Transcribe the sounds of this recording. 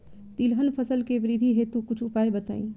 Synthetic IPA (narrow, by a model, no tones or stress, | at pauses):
t̪ilɦənpʰəsəlkeʋɾid̪ʱiɦet̪ukʊt͡ʃʰʊpaːebət̪a̰ːḭ̃ː